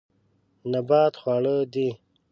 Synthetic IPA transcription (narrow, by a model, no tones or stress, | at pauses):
nabaːt̪xwaːɽəd̪i